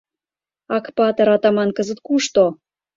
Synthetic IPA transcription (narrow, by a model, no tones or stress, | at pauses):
ɑkpɑt̪ɤ̆ɾɑt̪ɑmɑnkəzə̆t̪̚kuʃt̪o